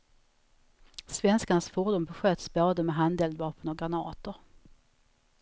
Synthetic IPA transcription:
svɛnskanasfuːɖuːnbɛɧøːt̪sboːd̪əmɛɦand̪ɛːld̪vɑːpənɔɡɾanɑːt̪ʊɾ

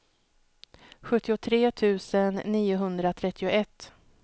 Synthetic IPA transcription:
ɧɵt̪ːɪʊt̪ʰɾeːt̪ʰʉ̟ːsənːiːʊɦɵnd̪ɾat̪ʰɾɛt̪ʰːɪʊʔɛt̪ː

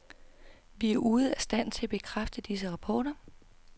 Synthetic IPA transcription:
ʋiæɐʔuːð̞̩ˠæsd̥æn̰t͡sʰe̝æb̥e̝kʰʁafd̥əd̥is̬əʁɑ̈pʰɒːɾɐ

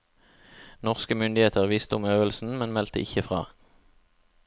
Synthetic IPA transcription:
nɔʁskəmʏnd̪ɪheːt̪əʁʋiːst̪əʊmøːʋəlsn̩mɛnmɛlt̪əʔɪçəfʁɑ̰ː

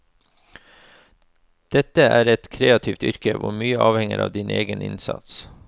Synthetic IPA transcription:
d̪̥ɛt̪əæːɾɛt̪kʰɾeːɑt̪ʰiːft̪ʏɾkəʋʊmyːəʔɑːʋhɛŋəɾʔɑ̰ːʋd̪iːnʔeːɡənʔɪnsɑ̰t̪s

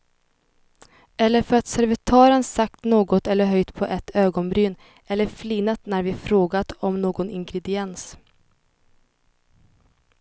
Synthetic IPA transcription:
ɛlːəɾfœɾat̪sæɾvɪt̪ʰɑːɾənsak̚t̪noːɡɔt̪ɛlːəɾɦœjt̪pʰɔʔɛt̪ʰːøːɡɔnbɾyːn | ɛlːəɾfliːnat̪næɾvɪfɾoːɡat̪ɔmnoːɡɔnɪŋɡɾɛd̪ɪɛns

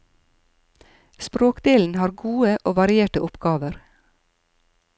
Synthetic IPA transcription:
spɾoːkd̪eːln̩hɑːɾɡuːəʔoːʋɑɾɪeːʈəʔʊpɡɑːʋəɾ

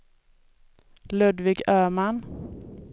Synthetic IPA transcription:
lɵd̪vɪɡøːman

